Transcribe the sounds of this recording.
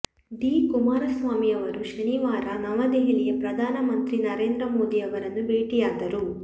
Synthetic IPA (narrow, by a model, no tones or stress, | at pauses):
d̪iːkumaːɾɐsʋaːmiɐʋɐɾuʃɐniʋaːɾɐnɐmɐd̪eɦilijɐpɾɐd̪ʱaːnɐmɐnt̪ɾinɐɾe̞ːnd̪ɾɐmo̞ːd̪iɐʋɐɾɐnːubeːʈijaːd̪ɐɾu